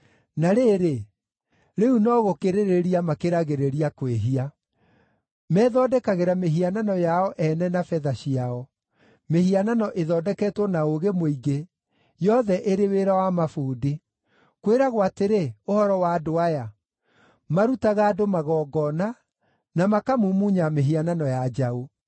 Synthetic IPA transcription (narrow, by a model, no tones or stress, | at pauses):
naɾeːɾe | ɾeunɔɣokeɾeɾeɾiamakeɾaɣeɾeɾiakweɦia | mɛːðɔːdɛkaɣeɾameɦiananɔjaɔʔɛnɛnafɛðaɕiaɔ | mehiananɔʔeðɔːdɛkɛːtwɔnaoɣemoiɡe | jɔðɛʔeɾeweɾawamafuːdi | kweɾaɣwateɾeohɔɾɔwaːdoaja | maɾutaɣaːdomaɣɔːɡɔna | namakamumuɲameɦiananɔjad͡ʑao